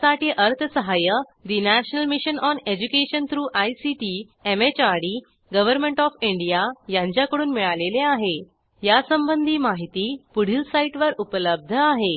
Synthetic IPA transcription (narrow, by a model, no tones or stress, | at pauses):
saʈiːʔəɾt̪ʰəsəɦajə | d̪inæɕnəlmiɕənɔned͡ʑukeɕənt̪ʰɾuːʔajsiʈi | emet͡ɕaɽi | ɡəʋəɾmẽɳʈɔfiɳɖijajãɲt͡ɕjakəɽuːnmiɭaleleaɦe | jasəmbənd̪ʱiːmaɦit̪iːpuɽ̤iːlsaiʈʋəɾupələb̚d̪ʱəaɦe